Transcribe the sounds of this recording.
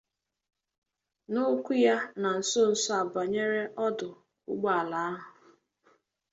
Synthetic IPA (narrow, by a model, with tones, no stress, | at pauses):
nʊ˦kʷu˦ja˦na˨n̩˨so˦n̩˨sɔ˦a˨ba˨ɲe˦ɾe˦ʔɔ˦dʊ˨ | ʊ̰˦ɡ͡ba˨a˨la˨˦a˦ɦʊ˨